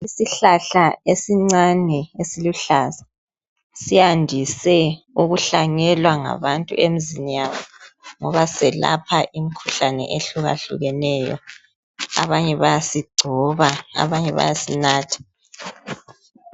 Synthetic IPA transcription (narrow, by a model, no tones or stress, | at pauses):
isiɬaɬaesiŋ͡ǀanɛesiluɬasḁ | sijandʱisɛ | uɣuɬaŋɛlwaŋa̰βantʼṵemizinijaβɔŋɔβasɛla̰pʰaʔimikʰuɬanɛ̰ʔeɬuɣa̰ɬṵɣɛnɛjɔ̰ | a̰βaɲɛβajasiɡ͡ǀʱɔβaa̰βaɲɛβa̰jasinaːtʰḁ